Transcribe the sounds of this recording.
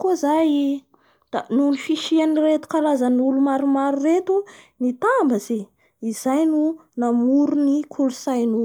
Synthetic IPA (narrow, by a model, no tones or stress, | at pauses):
kuozaj | d̪̥anulufiʃianiret̪u̥kalazənulumaɾumaɾuɾet̪unit̪ambəze | izajnu | namuɾunikʰulusajnu